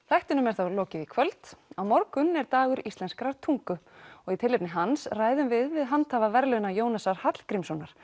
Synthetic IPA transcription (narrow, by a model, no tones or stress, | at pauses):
θajht̪ʏnʏmɛɾ̥θawlɔːcɪvikʰvœlt̪awmɔɾkʏnɛɾt̪aːɣʏɾist̪lɛnskɾaɾ̥t̪ʰuŋkʏɔɣit̪ʰɪlːɪpnɪɦansraːjðʏmvɪðvɪðɦant̪ʰaːvavɛɾlœnajoːwnasaɾ̥hat̪l̥kɾimsɔnːaɾ̥